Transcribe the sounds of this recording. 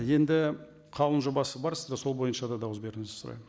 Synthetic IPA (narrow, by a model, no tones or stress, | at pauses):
je̞nd̪ɪ | qʰɑlˠənʒobɑsəbɑɾsɪ̥zd̪ɑso̞lˠbo̞jənʃɑd̪ɑd̪ɑwəsbe̞ɾɪŋɪzɪ̥sʊɾɑ̰jmən